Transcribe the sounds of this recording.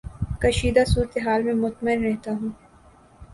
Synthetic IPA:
kɐʃiːd̪asuːɾt̪eɦaːlmẽmʊt̪məɪnɾɛɦt̪aɦũː

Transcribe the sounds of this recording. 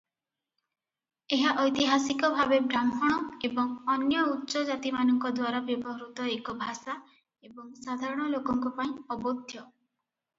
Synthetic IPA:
eɦaʔɔjt̪iɦasikɔbʱabebʱɾamɔɽ̃ɔebɔŋɔnjɔutːʃɔd͡ʒat̪imanɔŋkɔd̪waɾabjɔbɔɦɔɾut̪ɔekɔbʱasa | ebɔŋsad̪ʱaɾɔɽ̃ɔlokɔŋkɔpaĩɔbɔd̪ʱjɔ

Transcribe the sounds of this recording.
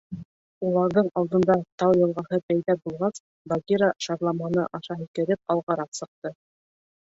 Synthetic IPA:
ulˠɑɾðɤɴɑlˠd̪ɤ̆nd̪ɑt̪ɑwjɤ̆lˠʁɑhɤbæjðæbulˠʁɑs | baɡʲiɾaʃɑɾlˠɑmɑnɤʔɑʃɑɦɘ̆kɘ̆ɾɘp̚ɑlˠʁɑɾɑqsɤ̆q̚t̪ɤ

